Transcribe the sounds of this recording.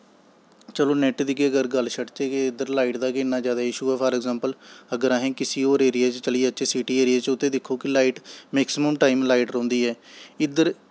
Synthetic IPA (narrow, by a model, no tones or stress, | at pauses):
t͡ʃəloːnɛʈd̪ɪkeəɡəɾɡəlːʃəʈt͡ʃeːkeɪd̪əɾlaːɪʈd̪aːkɪnːãːd͡ʒjaːd̪aːɪʃuːɛːpʰəːɾɛːɡzãːmpələɡəɾaːɦẽːkɪsiːoːɾeːɾɪjeːt͡ʃt͡ʃəliɛːətːʃʰeːsiːʈiːeːɾieːt͡ʃʊt̪ːẽːd̪ɪkʰːoːkɪlaːiːʈmɛːksɪməmʈaːimlaːiʈɾõːnd̪iːɛːɪd̪əɾ